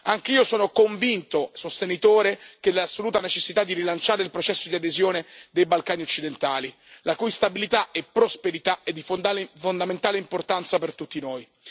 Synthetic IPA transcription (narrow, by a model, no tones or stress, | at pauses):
aŋk̟eiːosoːnokoɱvint̪osost̪enit̪oːɾekelasːoluːt̪anet͡ʃesːit̪ad̪ːiɾilant͡ʃaːɾeilpɾot͡ʃɛsːod̪iad̪ezjoːned̪ejbalkaːniot͡ʃːid̪ent̪aːli | lakujst̪abilit̪aʔɛpːɾospeɾit̪aed̪ːifd̪alfond̪ament̪aːleimport̪ant̪sapert̪ut̪ːinoːj